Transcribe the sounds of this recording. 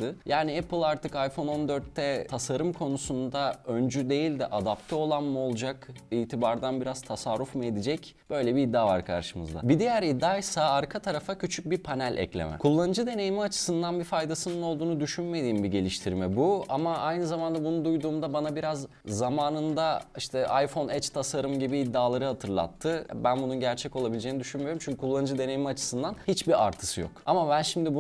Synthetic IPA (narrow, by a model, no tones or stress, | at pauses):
ɯjaːniɛpɯlˠaɾt̪ʰɯkajfo̞no̞nd̪ø̞ɾt̪ːɛt̪ʰasaɾɯmkʰo̞nusund̪aønd͡ʒyd̪e̞jilʲd̪ɛʔad̪ap̚t̪ʰɛo̞lˠanmuo̞lˠd͡ʒakiːt̪ʰibaɾd̪anbiɾaz̥t̪ʰasaɾɾːufmɯe̞d̪id͡ʒɛc | b̥ø̞jlʲɛbiːd̪ːava̰ɾkʰa̰ɾʃɯmɯ̰zd̪a̰bid̪ejæɾid̪ːaːjsaaɾkʰat̪ʰaɾafacʰyt͡ʃʰyc̚bipʰanælʲʔɛ̰clʲḛmɛ̰kʰulˠːanɯd͡ʒɯd̪e̞ne̞jimiat͡ʃʰɯ̥sɯnd̪anbifajd̪asɯnɯno̞lˠd̪uːnud̪yʃynme̞d̪iːmbiɟe̞lʲiʃt̪ʰiɾmɛbuamaʔajnɯzamand̪abunund̪ujd̪uːmd̪abanabiɾaz | zamaːnɯnd̪aiʃt̪ʰɛʔajfo̞nɛt͡ʃt̪ʰasaɾɯmɟibiːd̪ːaːlˠaɾɯhat̪ʰɯɾlˠa̰t̪ʰːɯbænbununɟæɾt͡ʃʰɛco̞lˠabilʲd͡ʒeːnid̪yʃynmijo̞ɾumt͡ʃʰyɲcʰykʰulˠːanɯd͡ʒɯd̪e̞nejimiat͡ʃʰɯ̥sɯnd̪anhit͡ʃbia̰ɾt̪ʰɯ̥sɯjo̞̰kamabænʃimd̪ibu